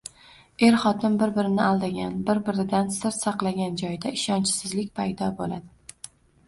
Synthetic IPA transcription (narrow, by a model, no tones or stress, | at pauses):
e̞ɾχɒt̪ʰɪmbɪɾbɪɾɪnɪalˠd̪aɡʲanbɪɾbɪɾɪd̪ansɪɾt̪sɑqlˠaɡʲand͡ʒɒjd̪aɪʃɒnt͡ʃʰɪ̥sɪzlɪkʲpʰajd̪ɒbolad̪ɪ